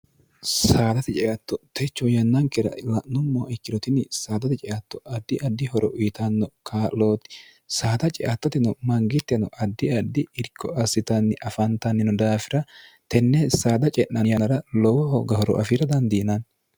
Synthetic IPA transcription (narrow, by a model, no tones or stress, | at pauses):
saːd̪ɐt̪ɛt͡ʃʼɛʔɐt̪ːɔt̪ɛt͡ʃːɔjɐnːɐŋkɛɾɐ̰lɐʔnʊmːɔʔɪkːɪɾɔt̪ɪnːɪsaːd̪ɐt̪ɛt͡ʃʼɛʔɐt̪ːɔʔɐd̪ːɪʔɐd̪ːɪhɔɾʔɔʔʊjt̪ɐnːɔkʰaloːt̪ɪ̥ | saːd̪ɐt͡ʃʼɛʔɐt̪ːɔt̪ɪnɔmɐŋɡɪt̪ːɛnɔʔɐd̪ːɪɐd̪ːɪɪɾkːɔʔɐsɪt̪ɐnːɪʔɐfɐnt̪ɐnːɪnʊd̪aːfɪɾɐ | t̪ɛnːɛsaːd̪ɐt͡ʃʼɛnːɐjɐnɐɾɐlɔwɔhɔɡɐhɔɾɔ̰ʔɐ̰fiːɾɐd̪ɐnd̪iːnɐn